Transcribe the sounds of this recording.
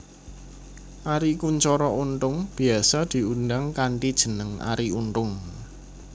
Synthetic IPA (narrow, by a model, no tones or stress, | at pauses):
ʔaɾikuɲt͡ʃɔɾɔʔunt̪ʊŋb̥iasad̪̥i̤undaŋkaɳʈid̥ʒ̥ə̤nəŋa̰ɾiunt̪ʊŋ